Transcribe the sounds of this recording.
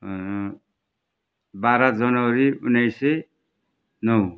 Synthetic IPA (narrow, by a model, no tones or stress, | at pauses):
baɾad͡zʌnʌʌɾiunːʌjsʌ | nʌw